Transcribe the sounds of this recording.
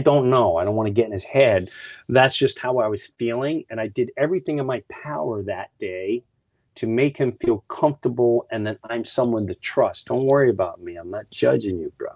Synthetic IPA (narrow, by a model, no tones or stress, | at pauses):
aɪdõʊ̃nːoʊaɪɾõʊ̃nwɑ̃nɨɡɛɾ̃n̩ɨz̥hɛd̪̚ðætsd̥ʒ̥ʌst̚haʊaɪwʌz̥filˠɪ̃ŋɨ̃ñaɪdɨɾɛvɹiθɪ̃ŋɨ̃nmaɪpʰaʊə˞ðɨt̚d̥eɪ | ɾʰɨmeɪkhɨ̃ɱfilˠkʰʌ̃ɱftə˞bl̩ˠɨ̃nðɨ̃nãɪ̃msʌ̃mwʌ̃nðɨtʰɹ̥ʌsd̥õʊ̃nʔ̚wɜ˞iɨbaʊt̚miãɪ̃mnət̚d̥ʒ̥ʌ̰d͡ʒɪ̃ŋjɨbɹʌ̰